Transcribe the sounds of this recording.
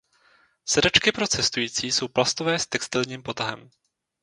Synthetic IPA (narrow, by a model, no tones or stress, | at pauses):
sɛdɛt͡ʃkɪpɾo̞t͡sɛst̪ujiːt͡siːso̞wplast̪ovɛːst̪ɛkst̪ɪlɲiːmpo̞t̪aɦɛ̰m